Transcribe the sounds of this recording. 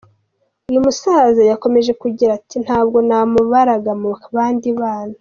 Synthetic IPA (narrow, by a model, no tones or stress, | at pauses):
ujumusazajako̞me̞ʒe̞kuɟiɾatin̥haːb̚ɡo̞namuβaɾaɡamuaβaːndiβaːna